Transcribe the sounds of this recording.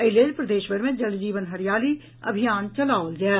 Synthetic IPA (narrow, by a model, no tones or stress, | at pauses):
əɪleːlpɾəd̪eːʃʋəɾmẽd͡ʒəld͡ʒiːʋənɦəɾɪjaːliː | ə̰bʱɪjaːnt͡ʃəlaːld͡ʒɛː